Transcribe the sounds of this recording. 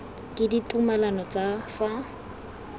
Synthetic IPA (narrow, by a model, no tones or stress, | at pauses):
kʼɪditʼumalanɔt͡sʼafa